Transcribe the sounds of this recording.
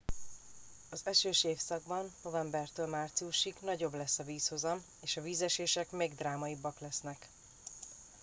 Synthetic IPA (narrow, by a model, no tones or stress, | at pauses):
ɒzɛʃøːʃeːfsɒɡ̚bɒnːo̞vɛmbɛrt̪øːlmaːrt̪siuʃiɡnɒɟo̞blɛsːɒviːsho̞zɒm | eːʃɒviːzɛʃeːʃɛkmeːɡd̪raːmɒibːɒklɛsnɛk